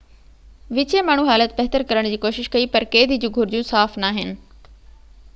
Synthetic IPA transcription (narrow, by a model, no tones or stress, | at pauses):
ʋɪt͡ɕemaːɳ̤uɦaːlət̪̚bɐɦt̪əɾkɐɾəɽ̃d͡ʑiːkoːʃɪʃkɐipɐɾkeːd̪ʱid͡ʑũːɡʱʊɾd͡ʑjũsaːfnaːɦɪnɪ̆